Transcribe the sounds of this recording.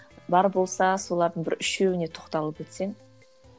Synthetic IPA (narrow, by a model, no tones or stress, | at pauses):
bɑɾbo̞lˠsɑso̞lˠɑɾd̪əɴbɪɾʏʃewɪne̞t̪ʰo̥qt̪ɑlˠəpet̪se̞ŋ